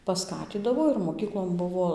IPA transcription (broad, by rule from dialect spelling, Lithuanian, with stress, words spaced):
pɐˈskɑːtʲiːdɐʋoː ɪr moːˈkʲiːklˠoːn ˈbʊʋoː